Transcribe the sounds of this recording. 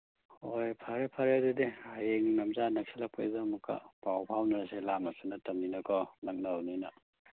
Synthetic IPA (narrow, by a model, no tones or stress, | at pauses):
ojpʰaɾepʰɐɾedudeajeŋnɐmzanɐk̚selɐpʰajzamukːa̰pawpʰawnɐɾɐselamɐsunɐtɐmninɐkʰɔnɐŋ̚nɐwninɐ